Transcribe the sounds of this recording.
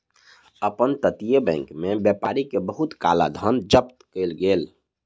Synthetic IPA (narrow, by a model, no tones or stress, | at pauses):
əpənt̪ət̪ijebɛ̰̃ŋkmebjɛpaːɾikebəɦut̪ka̰la̰d̪ʱənd͡ʒəpt̪kelɡeːl